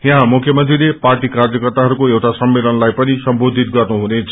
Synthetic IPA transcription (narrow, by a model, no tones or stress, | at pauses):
jaɦãmukʰjʌmʌnt̪rileparʈikarjʌkʌrt̪aɦʌɾukoewʈasʌmːelʌnlajpʌnisʌmbod̪ʱit̪ɡʌrnuɦunet͡sʰʌ